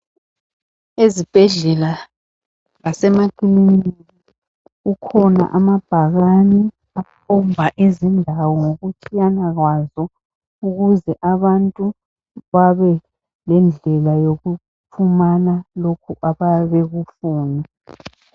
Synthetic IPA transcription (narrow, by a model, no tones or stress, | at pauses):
ezib̥ʱɛɮɛla | ɣasɛmaɡ̥ʱininnii | ukʰɔna̰ʔamab̥ʱaɣani | apʰɔmbʱaʔizindʱawɔŋoɣutʰianaɣwazɔ | uɣuzɛʔaβantʼu | βaβɛ | lɛnd͡ɮʱɛlajoɣu | pʰumanalokʰuʔaβaβɛɣufuːna